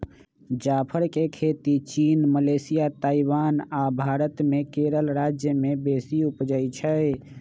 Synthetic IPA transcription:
d͡ʒapʰəɾkekʰet̪it͡ʃinməlesijat̪aiwanabʱaɾət̪mekeɾəlɾad͡ʒjəmebesiupd͡ʒəjt͡ʃʰə

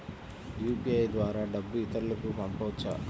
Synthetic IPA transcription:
juːpiɐjd̪ʋaːɾaːɖɐbːuit̪ɐɾlɐkupɐmpɐʋt͡ʃːa̰

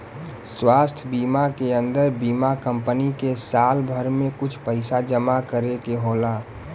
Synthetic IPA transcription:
swaːst̪ʰbiːmakeə̃nd̪əɾbiːmakəmpənikesaːlbʱəɾmẽkʊt͡ʃʰpəɪsad͡ʒəmakəɾekeɦola

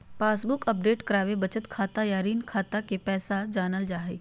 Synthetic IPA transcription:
paːsbʊkəp̚ɖeːʈkɐɾaːʋebɐt͡ʃət̪kʰaːt̪ajaɾiːnkʰaːt̪akepɛːsad͡ʒaːnəld͡ʒaːɦeː

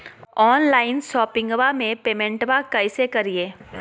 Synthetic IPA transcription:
ɔːnlaːɪnʃɔːpɪ̃ŋɡʋamẽpeːmɛ̃ɳʈʋakɐɪsekɐɾieː

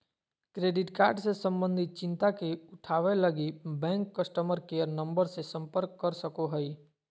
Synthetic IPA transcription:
kɾeɖɪʈkaːɾɖsesə̃mbə̃nd̪ʱit̪̚t͡ʃɪ̃nt̪akeʊʈʰaːʋeləɡibɛ̃ːŋkːəsʈəməɾkeəɾnəmbəɾsesə̃mpəɾkːəɾsəkoɦəi

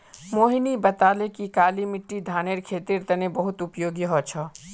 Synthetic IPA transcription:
moːɦinibɐt̪aːlekikaːlimɪʈːid̪ʱaːneɾkʰeːt̪iɾt̪ɐnebɐɦʊt̪ʊpjoːɡiɦɔt͡ʃʰɔ

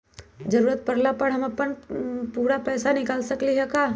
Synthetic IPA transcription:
d͡ʒɐɾuːɾət̪̚pɐɾlapəɽɦɐmɐpənpuːɾapɛːsanɪkaːlsɐkliɦɛkaː

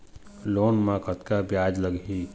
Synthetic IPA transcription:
loːnmakət̪kabjaːd͡ʒləɡɦi

